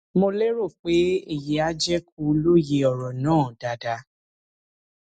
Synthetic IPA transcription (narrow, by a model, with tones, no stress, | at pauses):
mo˧le˦ɾo˦˨k͡pe˨˦i˦˨je˨˦a˧˦d͡ʒɛ˦k̚u˧˦˧lo˦je˧˦ɔ˨ɾɔ˨nãː˦˨d̥a˨da˧˦